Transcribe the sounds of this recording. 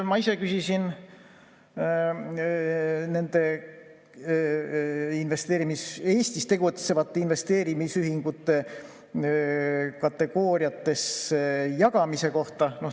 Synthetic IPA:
mɑise̞kysisin | ne̞nd̪̥e̞ | inve̞st̪eːɾimise̞ːsʲt̪ist̪e̞ɡut̪se̞vɑt̪ːeinve̞st̪e̞ːɾimisyɦiŋɡ̥ut̪ːe̞ | kɑt̪ːˑe̞ɡ̥o̞ːɾijɑt̪ːe̞sejɑɡ̥ɑmise̞ko̞ht̪ɑno̞h

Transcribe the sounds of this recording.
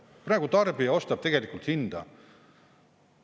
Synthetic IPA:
prɑːɡ̥ut̪ɑrbijɑo̞st̪ɑb̥̚t̪e̞ɡ̥e̞likːˑult̪hind̪̥ɑ̰

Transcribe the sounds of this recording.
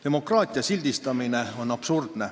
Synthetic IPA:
d̪e̞mo̞krɑːt̪ʲˑiɑsilʲd̪̥ist̪ɑmine̞o̞nɑpsurd̪̥ne̞

